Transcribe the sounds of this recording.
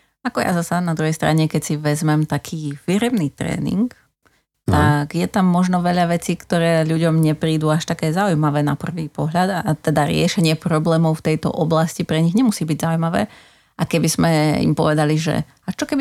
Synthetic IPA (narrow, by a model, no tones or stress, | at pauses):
akɔja̰zasanad̪ɾuɦɛjst̪ɾaɲɛkɛcsiʋɛzmɛmt̪akʰiːfiɾɛmnit̪ɾɛ̰ːnḭŋk | t̪aɡjɛt̪amːɔʒnɔʋɛʎaʋɛt͡siːkt̪ɔɾɛːʎuɟɔmɲɛpɾiːd̪uaʃt̪akɛːzaujmaʋɛːnapr̩ʋiːpɔɦʎad̪aat̪ɛd̪aɾɪɛʃɛɲɪɛpɾɔblɛːmɔʊft̪ɛjt̪ɔ̰ʔɔblascipɾɛɲiɣɲɛmusiːbiɟzaujmaʋɛː | ʔakɛbizmɛḭmpɔʋɛd̪aliʒɛ̰ | aʃt͡ʃɔkɛbi